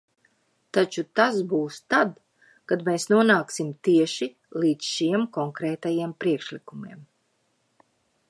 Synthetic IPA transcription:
t̪at͡ʃut̪asbuːst̪ad̪ | kad̪meːsnuɔnaːksimt̪iɛʃi | lˠiːt̪sʃiɛmkɔŋkɾɛːt̪ajiɛmpɾiɛkʃlikumiɛm

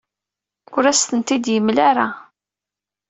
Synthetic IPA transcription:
ʊɾæst̪ənt̪id̪jəmːlaɾa

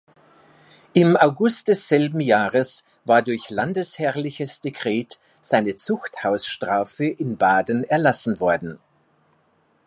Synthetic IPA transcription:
ʔɪmaʊɡʊst̚d̥ɛsz̥ɛlbm̩jaːʁəs | v̥aːɐdʊɐçlandəshɛlɪçəsd̥ekʁ̥ɛːt | z̥aɪnət͡sʊxthaʊsʃtʁ̥aːfəʔɪnbaːdən̩ɛɐlasn̩vɔɐdn̩

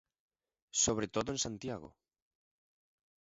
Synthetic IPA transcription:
soβ̞ɾet̪oðoẽnsant̪jaɣo̰

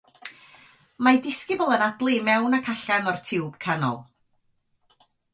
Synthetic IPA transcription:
madɪskɪbʊlˠənadlˠimɛwnakʰaɬanɔrtʰɪwb̥kʰanɔ̰lˠ

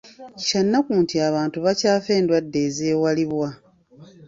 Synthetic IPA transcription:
canːakuːntiaβaːntuβacaːfe̞ːndwadːe̞ːzeːwaliβwa

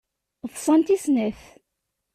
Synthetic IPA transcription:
ðˤsˤɑnt̪isnæθ

